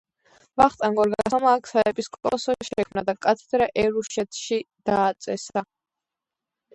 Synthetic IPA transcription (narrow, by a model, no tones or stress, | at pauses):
vaχt̪ʼaŋɡɔɾɡasɔmaːkʰsaɛbʼiskʼɔ̰sɔʃɛkʰmnad̪akʼat̪ʰɛd̪ɾaʔɛɾuʃɛt̪ʰʃid̪̥aːt̪sʼɛsa